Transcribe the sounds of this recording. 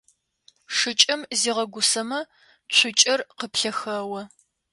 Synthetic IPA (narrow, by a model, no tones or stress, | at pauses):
ʂɨt͡ʃʼɐmziːʁɐɡʷʊsɐmɐ | t͡ɕʷʰʊt͡ʃʼɐrqəpɬɐxɐwɐ